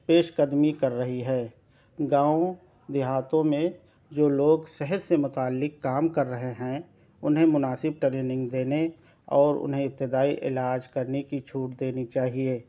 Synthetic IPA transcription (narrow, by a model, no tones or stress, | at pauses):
peːʃkəd̪mikɐɾːəɦiɦɛː | ɡãːõ | d̪ɪɦaːt̪õmẽ | d͡ʒoːloːɡsɛɦəd̪semʊt̪aːlːɪkːaːmkəɾːɐɦeɦɛ̃ | ʊ̰nɦẽmʊnaːsɪb̚ʈɾeːnɪ̃ŋɡd̪eːne | ɔːɾʊ̰nɦẽɪp̚t̪ɪd̪aːiʔɪ̰laːd͡ʒkɐɾnekit͡ʃʰuːʈd̪eːnit͡ʃaːɦieː